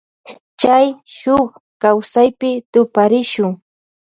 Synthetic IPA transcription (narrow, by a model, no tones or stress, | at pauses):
t͡ʃt͡ʃajʃʊχ | kawsajpɪt̪ʊpaɾɪʃʊŋ